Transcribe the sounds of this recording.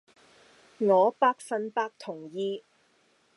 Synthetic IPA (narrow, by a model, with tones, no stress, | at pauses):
ŋɔː˨˧paː˧k̚fɐ˧npaː˧k̚t̪ʰʊ˨˩ŋjiː˧